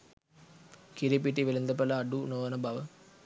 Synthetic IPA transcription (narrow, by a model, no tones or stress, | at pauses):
kiɾip̬iʈːiʋilɐnd̪ɐpɐlɐːɖunoːʋɐnɐbʱɐʋɐ